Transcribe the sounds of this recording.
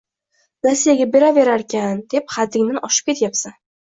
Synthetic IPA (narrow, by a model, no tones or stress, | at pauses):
ɾasːijaɡʲabe̞ɾave̞ɾaɾkʲand̪̥e̞p̚χad̪ːɪŋnɪnʔɒʃɪp̚kʲe̞t̪japsan